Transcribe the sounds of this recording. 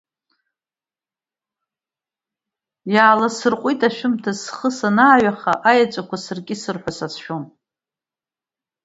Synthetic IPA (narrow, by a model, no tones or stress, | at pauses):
jaːlasɨrqʷʼitʰʼaʃᶣʊmtʰasχəsanaːɥaχaʔajat͡ʃʷʼakʷasɨrɡʲʼɪsɨrħʷᶣasat͡sʰʃᶣon